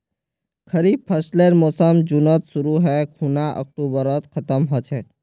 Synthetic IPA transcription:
kʰəɾibpʰəsleɾmoːsəmd͡ʒunət̪sʊɾuɦɛkʰuːnaʔə̰k̚ʈuːbəɾət̪kʰət̪əmɦot͡ʃʰɛ

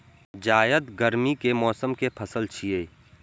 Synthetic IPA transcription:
d͡ʒaːjəd̪ɡəɾmikemɔːsəmkepʰɐsəlt͡ʃʰieː

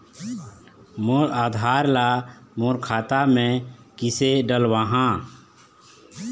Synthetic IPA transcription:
moːɾaːd̪ʱaːɾlamoːɾkʰaːt̪amẽkiseɖəlwaːɦã

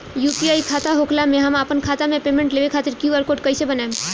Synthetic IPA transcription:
jupiaːikʰaːt̪aɦokʰlamẽɦəmaːpənkʰaːt̪amẽpemẽɳʈleːʋekʰaːt̪ɪɾkiʋəɾkoːʈkəɪsebənaem

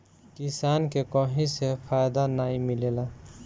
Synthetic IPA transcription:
kisaːnkekɔ̃ɦĩsepʰaːjd̪anaːĩmɪleːla

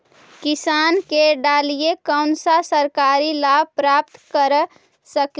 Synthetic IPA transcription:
kɪsaːnkeɖaːlijekəʊnsasəɾkaːɾilab̚pɾap̚t̪kəɾ | sək

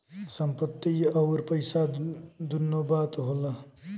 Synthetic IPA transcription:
sʌmpʌt̪ːiʌwɾpʌjsad̪unːobad̪ɦolʌ

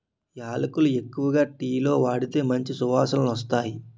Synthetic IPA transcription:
jaːlɐkulue̞kːuʋɐɡaːʈiːlo̞ːʋaːɽit̪e̞ːmɐɲt͡ʃisuʋaːsɐlunɐst̪aːji

